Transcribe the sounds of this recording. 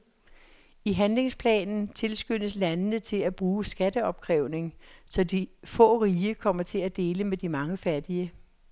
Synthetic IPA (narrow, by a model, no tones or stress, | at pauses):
iɦænle̝ŋspʰlɛ̰ːnn̩t͡sʰe̝lsɡ̥ønəslænənət͡sʰe̝læb̥ʁuːsɡ̥æd̥əɒ̽b̥̚kʰʁɛʊne̝ŋsɒ̽d̥ifɔ̰̽ːʁiːəkʰɒ̽m̰ɐt͡sʰe̝læd̥e̝ːləmed̥imɑ̈ŋəfæd̥iə